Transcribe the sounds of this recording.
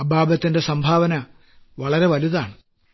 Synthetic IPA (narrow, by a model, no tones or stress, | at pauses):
ɐbʱaːbɐt̪ːinde̞sɐmbʱaːʋɐnɐ | ʋɐɭɐɾe̞ʋɐliðaːɳɨ